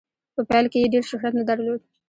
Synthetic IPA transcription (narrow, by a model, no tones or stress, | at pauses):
pəpalkejeɖeɾʃɪxɾat̪nad̪aɾlod̪̚